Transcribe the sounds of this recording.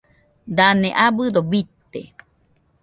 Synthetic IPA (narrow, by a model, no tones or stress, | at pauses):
d̪aneʔabɨd̪obit̪e